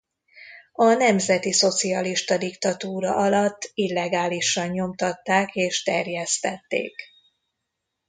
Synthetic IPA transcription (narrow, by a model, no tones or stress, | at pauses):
ɒnɛmzɛt̪iso̞t̪siɒliʃt̪ɒd̪ikt̪ɒt̪uːɾɒʔɒlɒt̪ːilːɛɡaːliʃːɒɲɲo̞mt̪ɒt̪ːaːkeːʃt̪ɛrjɛst̪ɛt̪ːḛːk